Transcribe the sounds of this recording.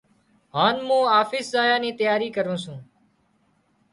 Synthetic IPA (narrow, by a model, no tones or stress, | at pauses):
ɦaːnmũːaːfɪːszaːjaːniːt̪əjaːɾiːkəɾũːsũː